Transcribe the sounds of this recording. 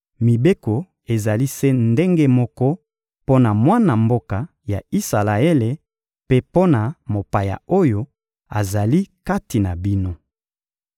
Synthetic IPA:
mi˨be˦ko˨ | e˨za˨li˦se˦nde˦ŋɡe˦mɔ˦kɔ˦ | po˦na˨mwa˦na˨mbo˦ka˨ | ja̰˨i˦sa˨la˨e˦le˨ | pe˦po˦na˨mo˨pa˨ja̰˨o˦jo˦ | a̰˨za˨li˦ka˦ti˨na˨bi˦no˦

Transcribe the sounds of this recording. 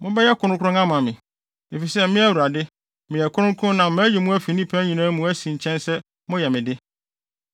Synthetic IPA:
mʊ̃˦bɛ˦jɛ˦kʰʊ˨ɾʊ̃˦kʰʊ̃˦ã˦mã˨mɪ̃˨ | e˨fi˨sɛ˦mɪ̃˦æ˦wu˨ɾa˨dɪ˦ | mɪ̃˨jɛ˨kʰʊ˦ʊ̃˦ŋ˦kʰʊ̃˦nã˨m̩˦mã˦ji˨mũ˦æ˦fi˨nĩ˦pʰæ̃˦ɲĩ˨nãː˦mũ˨˦æ˦sĩ˨ɲ̩˨t͡ɕʰɛ̃˦nsɛ˦ | mʊ̃˦jɛ˨mɪ̃˨dɪ˦

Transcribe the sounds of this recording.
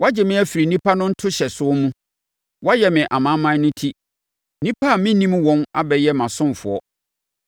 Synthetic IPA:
wa˦d͡ʑɪ˨mɪ̃˦æ˨fi˨ɾi˨nĩ˦pʰa˦nʊ̃˦n̩˦tʰʊ˦ɕɛ˨sʊ˦ɔ˦mũ˦ | wa˦jɛ˨mɪ̃˨ʔa˨mã˨˦mã˦nʊ̃˦tʰi˦ | nĩ˦pʰa˦a˨mɪ̃˦nĩ˦m˦wɔ̃˦na˦bɛ˨jɛ˦mã˨sʊ̃˦m˨fʊ̰˨ɔ̰˦

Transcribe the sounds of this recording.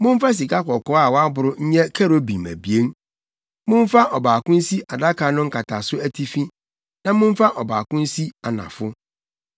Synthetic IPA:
mʊ̃˦ɱ˦fa˦s̬i˨ka˦kɔ˨kɔ˦a˨wɔ˦a˦bʊ˨ɾʊ˦ɲ̩˦ɲɛ̃˦kʰɛ˦ɾo˦bi˨mæ̰˨bi˨e˦n | mʊ̃˦ɱ˦fa˦ʔɔ˨baː˨kʊ̃˦n̩˦si˦ʔa˨da˦kʰa˨nʊ̃˦ŋ̩˦ka˨tʰa˨sʊ˦æ˦tʰi˦fĩ˦ | nã˦mʊ̃˦ɱ˦fa˦ʔɔ˨baː˨kʊ̃˦n̩˦si˦a˨nã̰˨fʊ˦

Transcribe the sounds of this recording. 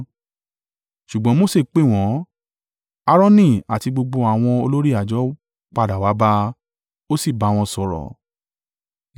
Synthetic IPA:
ʃu˨ɡ͡bɔ̃˨˦mo˦˨se˦˧˨k͡pe˦˨w̃ɔ̃˨˦ | a˧ɾɔ̃˦nĩ˦˨a˨ti˧ɡ͡bo˧ɡ͡bo˧a˨w̃ɔ̃˧o˧lo˦ɾi˦˨a˨d͡ʒɔ˨˦ | k͡pa˧da˨wa˨˦ba˧ | o˦si˦˨ba˨˦˨w̃ɔ̃˧sɔ˨ɾɔ̰˨

